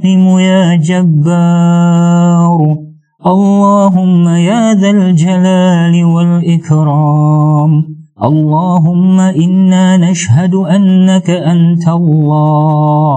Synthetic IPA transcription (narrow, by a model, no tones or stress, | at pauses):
ɪmʊjaːd͡ʒabːaː | ɾˤ | ʔɑlˤːɑːɦʊmːajaːðald͡ʒalaːlɪwalʔɪkɾɑːm | ʔɑlˤːɑːɦʊmːaʔɪnːaːnaʃhad̪ʔanːakaʔant̪alˤːɑː